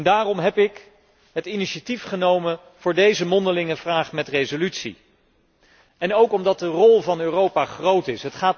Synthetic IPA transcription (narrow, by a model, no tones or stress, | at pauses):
ndaːrɔmɦɛpɪk | ɦətiniʃatifχənowmən | v̥ʊːɹdejzəmɔndəlɪŋəvraːχmɛtrejzolytsḭ | ɛnowkɔmdɑt̚dərɔlˠvɑnøːrowpaχrowtɪsɦətχaː